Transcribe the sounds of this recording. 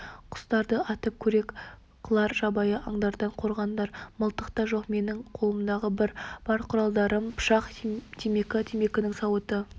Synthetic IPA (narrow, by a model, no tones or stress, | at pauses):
qʰʊ̥st̪ɑɾd̪əɑt̪əp̚kʲʰɵɾe̞k | qʰəlˠɑɾʒɑbɑjəʔɑɴd̪ɑɾd̪ɑɴqʰo̞ɾʁɑnd̪ɑɾməlˠt̪əqt̪ɑʒoqme̞nɪŋqʰo̞lˠəmd̪ɑʁəbɪɾb̥ɑɾqʰʊɾɑlˠd̪ɑɾəmpʰʊ̥ʃɑqt̪ʰeme̞kʲɪt̪ʰeme̞kʲɪnɪŋsɑwət̪ə